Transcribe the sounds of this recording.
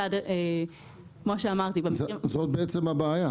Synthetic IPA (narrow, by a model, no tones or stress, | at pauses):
ade | kmoʃeamaʁt̪ibezot̪̚beet͡semabeaja